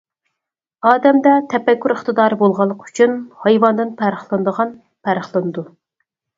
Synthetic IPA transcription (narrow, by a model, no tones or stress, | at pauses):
ɑːd̪ɛmd̪ɛt̪ʰɛpɛkʲːyɾəχt̪ɨd̪ɑːɾɨbolˠʁɑlˠːəqy̥t͡ʃʰynhɑjwɑnd̪ɨnpʰæɾəχlˠɨnd̪əʁɑn | pʰæɾəχlˠɨnɨd̪u